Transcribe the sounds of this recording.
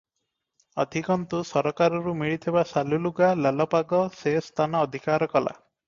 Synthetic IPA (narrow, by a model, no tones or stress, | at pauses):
ɔd̪ʱikɔnt̪usɔɾɔkaɾɔɾumiɭit̪ʰibasaluluɡalalɔpaɡɔsest̪ʰanɔːd̪ʱikaɾɔkɔla̰